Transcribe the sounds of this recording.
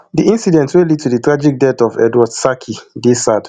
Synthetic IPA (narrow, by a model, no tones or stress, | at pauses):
diʔĩnsidɛ̃ntwelid̚tʰuditɹad͡ʒik̚dɛtɔvɛ̰dwadsakʰidesad̥